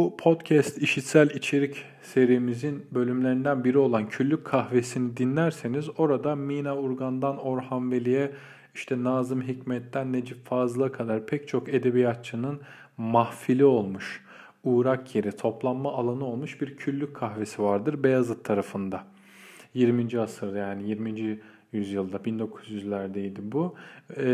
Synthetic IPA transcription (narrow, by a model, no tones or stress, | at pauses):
bupʰo̞d̪cʰɛst̪iʃit̪sælʲit͡ʃʰe̞ɾic | se̞ɾijmizinbø̞lʲymlʲe̞ɾind̪ænbiɾio̞lˠancʰyllʲːyc̚kʰːahve̞sinid̪inlʲæɾse̞nizo̞ɾad̪amiːnauɾɡand̪ano̞ɾhanvelʲijɛ | iʃt̪ʰɛnaːzɯmɦicmɛt̪ʰːænːe̞d͡ʒiffaːzɯlˠakʰad̪aɾpʰɛc̚t͡ʃʰo̞ke̞d̪e̞bijat̪̚t͡ʃʰɯnɯn | mahfilʲio̞lˠmuʃ | uːɾakʰje̞ɾit̪ʰo̞plˠanmaːlˠanɯo̞lˠmuʃbiɾcʰylʲːykʰːaxve̞sivaɾd̪ɯɾbejazɯt̪ʰːaɾafɯnd̪a | jiɾmind͡ʒiasɯɾjaːnijiɾmind͡ʒi | jyzjɯlˠd̪abind̪o̞kʰuzjyzlʲæɾd̪ejd̪ibu